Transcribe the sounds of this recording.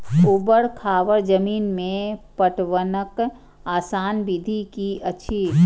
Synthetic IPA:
ubəɽkʰaːʋəɾd͡ʒəmiːnmẽpəʈwənək | aːsaːnbid̪ʱikiəʃʰi

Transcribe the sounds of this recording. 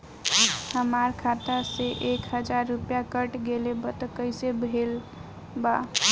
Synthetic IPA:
həmaɾkʰat̪aseʔekɦəd͡ʒaɾːupjakəʈɡelebət̪əkəɪsebʱel | ba

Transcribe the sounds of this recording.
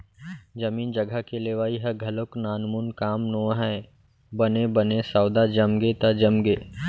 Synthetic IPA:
d͡ʒəmiːnd͡ʒɐɡʱakeleːʋaːiɦɐɡʱɐloknaːnmunkaːmnoːɦɛ̃ | bɐnebɐnesaːʊd̪ad͡ʒɐmɡet̪ad͡ʒɐmɡeː

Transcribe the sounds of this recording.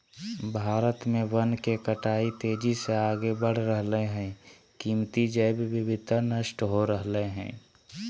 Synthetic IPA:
bʱaːɾət̪mẽʋənkekəʈaːit̪eːd͡ʒiseaːɡebəɽ̤ɾəɦleɦɛ̃ | kiːmt̪id͡ʒəbbɪbɪd̪ʱnəʃʈɦoɾəɦleɦɛ̰̃ː

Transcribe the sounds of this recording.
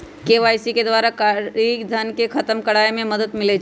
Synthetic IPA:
keːʋaːjsiked̪ʋaːɾakaid̪ʱənkekʰɐt̪əmkɐɽaːjmẽmɐd̪əd̪mɪle

